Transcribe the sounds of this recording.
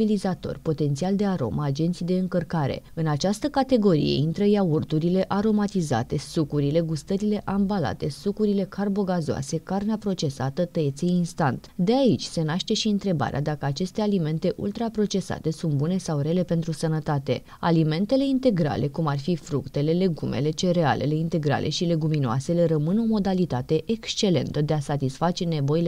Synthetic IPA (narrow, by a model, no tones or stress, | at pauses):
ilizat̪o̰rʲpo̞t̪e̞nt̪siald̪e̞aɾo̞̰mʔəad͡ʒe̞nt̪sijd̪e̞ɨŋkərkaɾe̞̰ɨnat͡ʃast̪əkat̪e̞ɡo̞ɾḭje̞̰int̪ɾəjaurt̪uɾile̞ʔaɾo̞mat̪iza̰t̪e̞sukuɾile̞ɡust̪əɾile̞ʔambala̰t̪e̞sukuɾile̞kʰarbo̞ɡazoa̰se̞karneapɾo̞t͡ʃe̞sat̪ət̪əet̪seinst̪ant̪d̪e̞ait͡ʃʲse̞naʃt̪e̞ʃiɨnt̪ɾe̞ba̰ɾḛa̰d̪akəat͡ʃe̞st̪e̞alime̞nt̪e̞ʔṵlt̪ɾapɾo̞t͡ʃe̞sa̰t̪e̞sunt̪bune̞sawre̞le̞pe̞nt̪ɾusənət̪at̪e̞ | a̰lime̞nt̪e̞le̞int̪e̞ɡɾa̰lʔe̞kumarfifɾukt̪e̞le̞le̞ɡume̞̰le̞t͡ʃe̞ɾe̞a̰lʔe̞̰le̞int̪e̞ɡɾa̰lʔe̞̰ʃile̞ɡuminoa̰se̞le̞ɾəmɨno̞mo̞d̪alit̪at̪e̞ʔekst͡ʃe̞le̞̰nt̪əd̪e̞asat̪isfat͡ʃe̞ne̞bo̞ile